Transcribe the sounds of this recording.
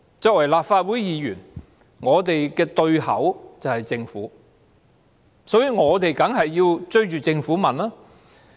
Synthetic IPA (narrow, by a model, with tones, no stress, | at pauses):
t͡sɔː˧k̚wɐ˨˩jlaː˨p̚faː˧t̚wu˨˥jjiː˨˧jyː˨˩n | ŋɔː˨˧t̪e˨jkɛː˧t̪ɵ˧ɥhɐ̰˨˥wt͡sɐ˨whɐ˨jt͡sɪ˧ŋfṵː˨˥ | sɔː˨˥jyː˨˧ŋɔː˨˧t̪e˨jkɐ˨˥ŋɦɐ˨jːiː˧wt͡ʃɵ˥ɥt͡ʃyː˨˩t͡sɪ˧ŋfu˨˥mɐ˨˩nlaː˥